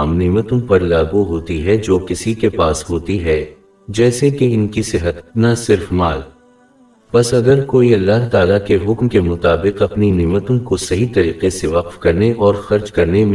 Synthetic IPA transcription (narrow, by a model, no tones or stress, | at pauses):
mneːmət̪õpɐɾlaːɡuɦoːt̪iɦɛd͡ʒoːkɪsikepaːsɦoːt̪iɦɛ | d͡ʒɛːsekeɪnkisɪɦət̪nɐsɪɾfmaːl | pɐsɐɡəɾkoːiɐlːaɦt̪aːlakeɦʊkmkemʊt̪aːbɪqɐpnineːmət̪õkosɐɦit̪ɐɾiːqeseʋɐqfkɐɾneʔɔːɾxɐɾd͡ʒkɐɾnem̃